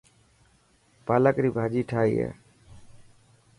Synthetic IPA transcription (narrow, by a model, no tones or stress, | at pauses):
paːləkɾiːbʱaːd͡ʒiːʈʰaːḭːa̰ː